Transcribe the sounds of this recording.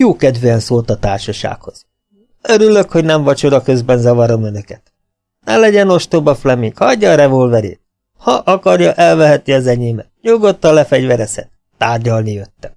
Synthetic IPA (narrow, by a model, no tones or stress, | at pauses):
juːkɛd̪veɛnsoːlt̪ɒt̪aːrʃɒʃa̰ːkho̞z̥ | øɾyløkho̞ɟnɛɱvɒt͡ʃod̪ɒkø̞zbɛnzɒvɒɾo̞mønøkɛt̪ | nɛlɛɟɛno̞ʃt̪obɒflɛmiŋkhɒɟːɒːɾɛvo̞lvɛɾḛːt̪̚ | hɒʔɒkɒɾjɒʔɛlvɛɦɛt̪niɒzɛɲeːmɛ | ɲuɡot̪ːɒlɛfɛɟvɛɾɛsɛ̰t̪ːaːrɟɒlnijøt̪ːɛ̥